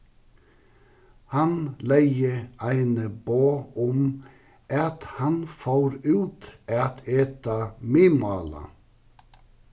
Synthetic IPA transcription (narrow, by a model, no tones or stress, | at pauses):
hɑnlæɪəʔæɪnəboːɔm | ʔɑt̪hɑnfoːɾʉːt̪ʔɑt̪ʰeːt̪ɑmiːmɑːlɑ̰